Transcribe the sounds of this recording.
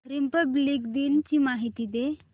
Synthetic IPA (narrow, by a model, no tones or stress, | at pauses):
ɾimpəbliɡd̪iːnt͡ɕiːmaɦit̪iːd̪e